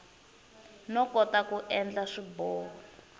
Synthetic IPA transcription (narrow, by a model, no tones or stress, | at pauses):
nɔkɔtakuʔɛnd͡ɮaʂibɔː